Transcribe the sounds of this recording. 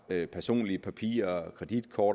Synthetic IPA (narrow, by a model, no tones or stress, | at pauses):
pʰæɐso̝̰ːnliəpʰæpʰḭːɐkʰʁɛd̥id̥kʰɒːɾ